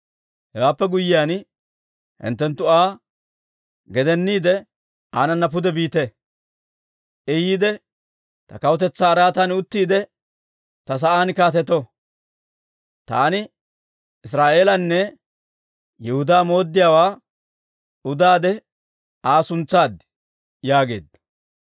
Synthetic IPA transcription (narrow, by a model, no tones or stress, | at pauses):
hɛwaːpːɛɡʊjːɪjaːn | hɪ̰nt̪ːɛnt̪ːʊaː | ɡɛd̪ɛnːiːd̪ɛ | aːnɐnːɐp̬ʊd̪ɛbiːt̪ɛ | ʔɛjiːd̪ɛ | t̪ɐkɐwt̪ɛt͡sːaːɾaːt̪ɐnʊt̪ːiːd̪ɛ | t̪ɐs̬ɐʔaːnkaːt̪ɛt̪ɔ | t̪a̰ːnɪ | ɪs̬ɾaːʔe̞ːlɐnːɛ | jɛhʊd̪aːmo̞ːd̪ːɪjaːwaː | ʊd̪aːd̪ɛ | aːsʊnt͡sːaːd̪ | jaːɡe̞̰ːd̪ɐ